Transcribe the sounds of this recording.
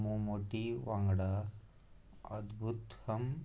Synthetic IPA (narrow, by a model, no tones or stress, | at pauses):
mumoːʈiʋaːŋɡɐɽa | ɐ̰d̪bʱut̪hɐm